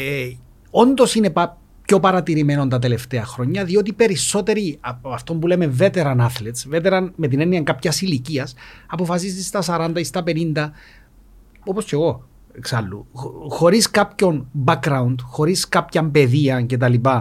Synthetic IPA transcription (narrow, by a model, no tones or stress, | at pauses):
e | o̞nd̪o̞sine̞pɐ | pço̞pɐɾɐt̪iɾime̞no̞nt̪ɐt̪e̞le̞ft̪eɐxɾo̞ɲːɐðio̞t̪ipe̞ɾiso̞t̪e̞ɾiɐft̪o̞mbuleme̞ve̞t̪e̞ɾɐnɐθlet̪svet̪eɾɐnme̞t̪̬ineniɐŋkapçɐsiliciɐsɐpo̞fɐsist̪ist̪ɐsɐɾɐnd̪ɐist̪ɐpe̞nind̪ɐ | o̞po̞sce̞ɣo̞ | eksɐlːṵxo̞ɾiskapço̞nbɐkɾɐund̪xo̞ɾiskapçɐmpe̞ðiɐnce̞t̪̬ɐlipɐ